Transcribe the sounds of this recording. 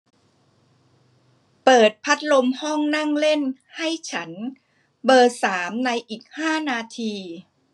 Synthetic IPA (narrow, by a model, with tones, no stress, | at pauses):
pɤː˨˩t̪̚pʰa˦˥t̪̚lo˧mhɔ˥˩ŋna˥˩ŋle˥˩n | ha˥˩jt͡ɕʰa˦˥n | bɤː˧saː˩˦mna˧jʔiː˨˩k̚haː˥˩naː˧t̪ʰiː˧